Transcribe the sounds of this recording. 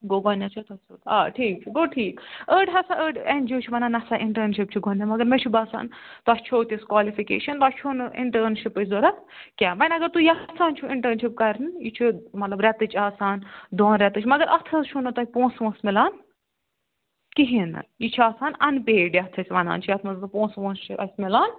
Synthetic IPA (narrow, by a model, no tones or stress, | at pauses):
ɡoɡɔnʲːɐt͡ʃʰut̪ʰɐsut̪aːʈʰiːk̚t͡ʃʰiɡoːʈʰiːkəːɖɦɐsaʔəːɖend͡ʒiwt͡ʃʰuʋɐnaːnɐsaːʔiɳʈəɾnʃip̚t͡ʃʰiɡonɐmɐɡɐɾmet͡ʃʰubɐsa̰ːnt̪oɐst͡ʃʰoːt̪ʲiskwaːlifikḛːʃɐnt̪oɐt͡ʃʰunɨḭɳʈəːɾnʃipɨsʲzoɾɐt̪ | kʲaːbɐnʲɐɡɐɾt̪ujɐsʰaːnt͡ʃʰuiɳʈəːnʃip̚kɐɾnjit͡ʃʰimɐt̪lɐbɾʲɛt̪ɨt͡ʃʰaːsaːnd̪oːnɾʲɛt̪ɨt͡ʃʰmɐɡɐɾʔɐt̪ʰɐzt͡ʃʰunɐt̪ɐipõːsʋõːnsmilaːn | kiɦinɨ̰jit͡ʃʰuaːsaːnɐnpeːɖjɐt̪ʰɐsʲʋɐna̰ːnt͡ʃʰijɐt̪ʰmɐzt̪ɨpõːsʋõːnst͡ʃʰiʔɐsʲmilaːn